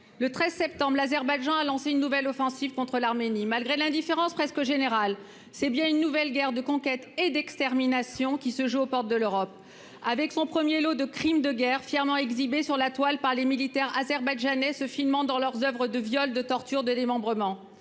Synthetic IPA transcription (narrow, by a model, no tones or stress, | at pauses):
lət̪χɛzsɛp̚t̪ɑ̃bʁlazɛʁbajʒɑ̃alɑ̃seynːuvɛlɔfɑ̃siv̥kɔ̃t̪χəlaʁmenimalɡʁelɛ̃d̪ifeʁɑ̃spχɛskəʒeneʁal | sɛbjɛ̃ynːuvɛlɡʲɛʁd̪əkɔ̃kʲɛt̪ed̪ɛkst̪ɛʁminasjɔ̃kʲisəʒuopɔʁt̪̚d̪əløʁɔp̚ | avɛksɔ̃pχəmjelod̪əkχimd̪əɡʲɛʁfjɛʁmɑ̃ɛɡzibesyʁlat̪walpaʁlemilit̪ɛʁazɛʁbajʒanɛsəfilmɑ̃d̪ɑ̃lœʁzœvʁəd̪əvjɔld̪ət̪ɔʁt̪yʁd̪əd̪emɑ̃bʁəmɑ̃